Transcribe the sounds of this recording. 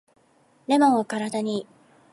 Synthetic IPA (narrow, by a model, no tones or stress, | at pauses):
le̞mõɰ̃βakaɾad̪aɲ̟i